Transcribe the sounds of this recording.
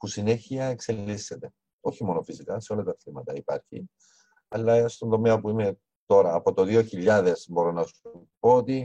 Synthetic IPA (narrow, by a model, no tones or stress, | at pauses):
pusine̞çiɐekse̞lːise̞t̪e̞ | o̞çimo̞nofisikɐse̞o̞lɐt̪ɐθimɐt̪ɐipɐ̰ɾçḭ | ɐlːɐst̪o̞nd̪o̞meɐpuime̞ | t̪o̞ɾɐːpo̞t̪o̞ðio̞çiʎːɐðe̞zbo̞ɾo̞nɐsu | poot̪i